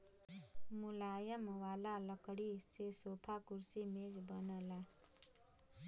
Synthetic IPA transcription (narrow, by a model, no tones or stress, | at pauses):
mulajəmwalalʌkɽisesopʰakuɾsimed͡ʒbʌnəla